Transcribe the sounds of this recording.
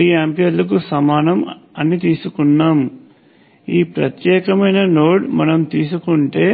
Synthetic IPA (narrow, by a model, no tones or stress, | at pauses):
iaːmpijɐɾlɐk̬usɐmaːnɐmɐnːit̪iːsukunːaːm | iːpɾɐt̪jɛːkɐmɐjnɐno̞ːɽmɐnɐmt̪iːs̬ukuɳʈe̞ː